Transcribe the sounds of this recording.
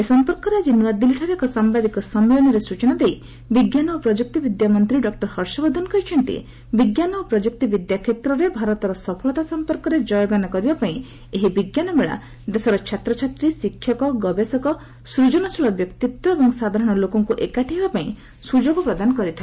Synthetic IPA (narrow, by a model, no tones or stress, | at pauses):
esɔmpɔɾkɔɾed͡ʒinwad̪iliʈʰaɾekɔsambad̪ikɔsɔmːelɔniɾesut͡ʃɔnad̪ej | biɡjanɔopɾɔd͡ʒuk̚t̪ibid̪jamɔnt̪ɾiɖɔk̚ʈɔɾhɔɾsɔbɔd̪ʱɔnkɔjt͡ʃʰɔnt̪ḭ | biɡjanɔopɾɔd͡ʒuk̚t̪ibid̪jakʰet̪ɾɔɾebʱaɾɔt̪ɔɾɔsɔpʰɔlɔt̪asɔmpɔɾkɔɾed͡ʒɔjɔɡanɔkɔɾibapaĩ | eɦibiɡjanɔmeɭa̰ | d̪esɔɾɔt͡ʃʰat̪ɾɔt͡ʃʰat̪ɾisikʰːjɔkɔɡɔbesɔkɔ | sɾud͡ʒɔnɔsuɭɔbjɔkt̪it̪wɔebɔŋsad̪ʱaɾɔɽ̃ɔlokɔŋkuʔekaʈʰibapaĩ | sud͡ʒoɡɔpɾɔd̪anɔkɔɾit̪ʰae